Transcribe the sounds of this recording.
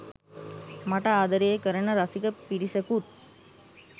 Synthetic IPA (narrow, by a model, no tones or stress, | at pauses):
mɐʈaːd̪ɐɾejɐkɐɾɐnɐɾɐsikɐpːiɾisɐkuʈ